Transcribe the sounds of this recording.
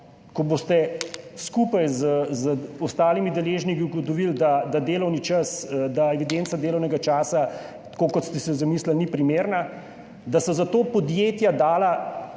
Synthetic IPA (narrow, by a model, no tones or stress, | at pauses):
kɔbost̪ɛskupajzzɔst̪aːlimid̪ɛleːʒnikiuɡɔt̪ɔʋild̪ad̪ad̪eːlɔwnit͡ʃəsd̪aɛʋid̪ent̪sad̪eːlɔwnɛɡat͡ʃaːsa | t̪kokɔt̪st̪ɛsɛzamiːslalnipɾimeːɾna | d̪asɔzat̪oːpɔd̪jeːt̪jad̪aːla